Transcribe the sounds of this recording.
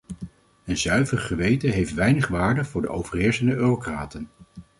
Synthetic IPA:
ənzœɥvərχəʋejtəɦejftʋɛjnəχʋaːɹdəvʊːɹdə̰ʔo̰wv̥əɹɦɪːɹsəndəʔøːrokraːtən

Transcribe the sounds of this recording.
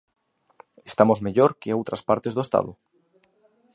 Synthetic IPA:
est̪amozmeʎoɾkeowt̪ɾaspaɾt̪ezðoest̪a̰ðo

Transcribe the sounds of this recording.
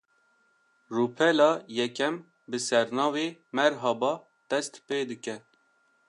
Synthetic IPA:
ruːpʰɛlɑːjɛkɛm | bɨsɛɾnɑːveːmɛɾɦɑbɑː | d̪̥ɛst̪peːd̪ɨkɛ

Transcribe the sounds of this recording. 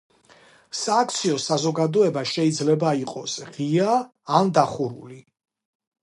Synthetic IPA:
saːk̚ʰt̪sʰiɔsazɔɡad̪ɔɛbaʃɛid̪zlɛbaiqʼɔsʁiaː | nd̪aχuɾṵli

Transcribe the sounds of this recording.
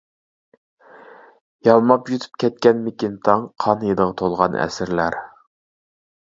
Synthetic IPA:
jɑlˠmɑpjyt̪ʰy̥p̚kʲʰɛt̪̚kʲɛnmekʲint̪ʰɑŋqʰɑnɨjɨd̪əʁɑt̪ʰolˠʁɑnɛ̰sɪɾlæɾ

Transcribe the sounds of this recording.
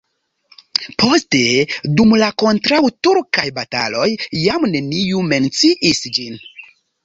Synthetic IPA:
pʰo̞ste̞dumlako̞ntɾawtuɾkajbata̰lo̞jːamne̞nijume̞nt͡siʔisd͡ʒin

